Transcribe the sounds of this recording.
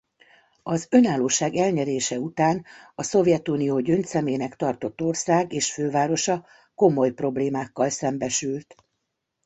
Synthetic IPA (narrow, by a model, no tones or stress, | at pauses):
ɒzø̞naːlːoːʃaːɡɛlɲɛɾeːʃɛut̪aːnɒso̞vjɛt̪unijoːɟønt̪sɛmeːnɛkt̪ɒrt̪o̞t̪ːo̞rsaːɡeːʃføːvaːɾo̞ʃɒ | ko̞mo̞jpro̞bleːmaːkːɒlsɛmbɛʃylt̪